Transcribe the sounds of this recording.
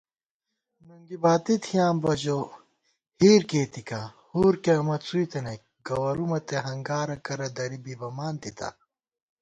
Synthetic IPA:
nuŋɡibaːt̪it̪ʰijaːmbɐd͡ʑo | hiːɾkeːt̪ikahuːɾkeɐmɐt̪suit̪enɐk | ɡɐwɐɾumɐt̪eɦɐŋɡaːɾɐkɐɾɐd̪ɐɾibibɐmaːnt̪it̪ʰɐ̰

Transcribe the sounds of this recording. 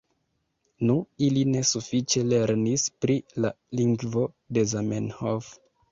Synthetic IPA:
nuiline̞sufit͡ʃe̞le̞ɾnispɾila | liŋɡvo̞ | de̞zamenhof

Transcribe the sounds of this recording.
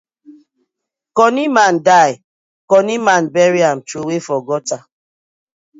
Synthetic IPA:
kɔnimandaj | kɔnimãnbɛɾiamtɾuwefɔɡɔta

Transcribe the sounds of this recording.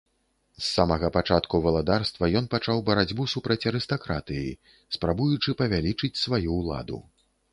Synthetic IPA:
sːamɐɣɐpat͡ʂat̪kuvɐlˠad̪arst̪vɐjɔnpat͡ʂawbɐɾad͡zʲbusupɾɐt͡sʲɐɾɨst̪akɾat̪ɨjḭ | spɾabujut͡ʂɨpɐvʲalʲit͡ʂɨt͡sʲsvajulˠa̰d̪ṵ

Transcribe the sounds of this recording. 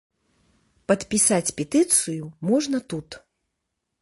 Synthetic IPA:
pɐt̪pʲisat͡sʲpʲɛt̪ɨt̪sɨjumɔʐnɐt̪ut̪

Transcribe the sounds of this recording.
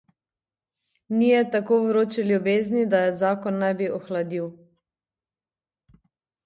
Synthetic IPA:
nijɛt̪akoːʋɾoːt͡ʃɛljubeːznid̪ajɛzaːkɔnːajbiʔɔxlad̪iw

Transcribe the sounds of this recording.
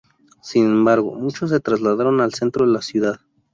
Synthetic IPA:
sinembaɾɣo̰mut͡ʃos̬ːe̞t̪ɾazlaðaɾonalsent̪ɾoðelasjuðað

